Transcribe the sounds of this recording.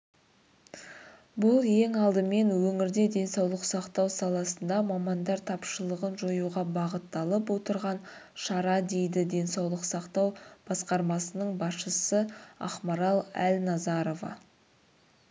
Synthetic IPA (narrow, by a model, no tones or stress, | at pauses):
bʊlˠje̞ŋɑlˠd̪əme̞nwɵŋɪɾd̪e̞d̪e̞nsɑwlˠəqsɑqt̪ɑwsɑlˠɑsənd̪ɑmɑmɑnd̪ɑɾt̪ʰɑpʃəlˠəʁənʒojuʁɑbɑʁət̪ːɑlˠəpwo̞t̪əɾʁɑnʃɑɾɑd̪e̞jd̪ɪd̪e̞nsɑwlˠəqsɑqt̪ɑwb̥ɑsqɑɾmɑsənəɴbɑsʃəsəɑ̰χmɑɾɑlˠæ̰lʲnɑzɑɾo̞vɑ̰